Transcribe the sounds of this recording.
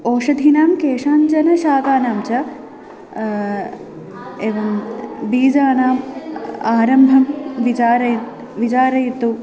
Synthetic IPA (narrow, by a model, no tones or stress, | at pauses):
oːʂɐd̪ʱinaːmkeːʂaːɲt͡ʃɐnɐʃaːk̪aːnaːmt͡ʃɐ | eʋɐnbiːd͡ʒaːnaːmaːɾɐmbʱɐmʋiaːɾɐ | ʋit͡ʃaːɾɐjit̪ːu